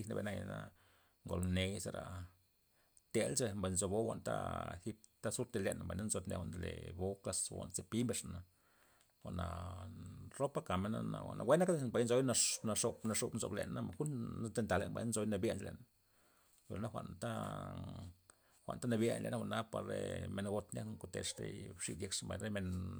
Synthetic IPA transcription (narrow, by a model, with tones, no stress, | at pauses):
i˧na˧bḛ˧˨na˧jna̰˦ | ŋɡo˨lne˧se˧ɾa˨ | t̪e˧lt͡ʃe˧mba˨jnzo˧bo˦xʷa˧˨nt̪a̰˦e˨xi˦p̚t̪a˦su˦ɾt̪e˧le˧˨namba˨na˦nzo˧t̪nḛ˨xʷa˧n˨lḛ˨bo˦ka˧swa̰˨nt͡se˧pi˦mbe˧ʂana˨ | wa˨na˨ | ɾo˦pa˦ka˨me˧na̰˧na̰˨wa̰˨nʔa̰˨we˦na˦kd̪e˦ba˨jnzo˧˦jna˧na˧ʂo˧pna˧ʂo˧pnzo̰˧blḛ˨˧na˦xu˦n˦d̪e˧nt̪a˨le˧˨nba̰˨na˦nzo˧˦jna˧bje˧˦nt͡ʃlḛ˨na˨ | wḛ˨lna˦xʷa̰˧ʔnt̪a˦ | xʷa̰˨nt̪a˦na˧bje˧nlḛ˧˨na˦wʷa˧˨na˦pa˨ɾḛ˨me˧nɡo˧t̪na˦kŋko˧t̪ḛ˨lʂt̪ḛ˧ʂḭ˧d̪ʲje˧˦kʂmba˧˨nɾe˦me˧n